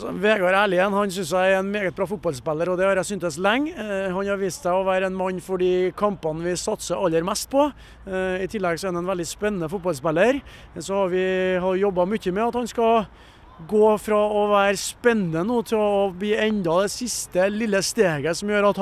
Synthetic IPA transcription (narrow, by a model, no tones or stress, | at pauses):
ɔ̰ʋeːɡɑɾæːɭɪɛnhɑnsʏnsæɪɛnmeːɡət̪̚bɾɑːfʊt̪̚bɑlspɛlːəɾɔd̪ɛhɑɾæsʏnt̪əslɛŋːhɑnhɑɾʋiːst̪sæɪɔʋæːɾəɛnmɑnːfɔɖiːkʰɑmpɑnʋɪsɑt̪səɾʔɑlːəɾmɛst̪̚pʰɔ | ɪt̪ʰɪlːɛɡsɔɛːnd̪ɛnʋɛld̪ɪspɛnːənəfʊt̪̚bɑlspɛlːəɾ | sɔhɑɾʋɪhɑɾjɔbːɑmʏçːəmɛɑt̪hɑnskɑ | ɡoːfɾɑɔʋæːɾəspɛnːnənuːt̪ʰɪlɔbliːɛnd̪ɑd̪ɛsɪst̪əlɪlːəst̪eːɡəsɔmjøːɾɑt̪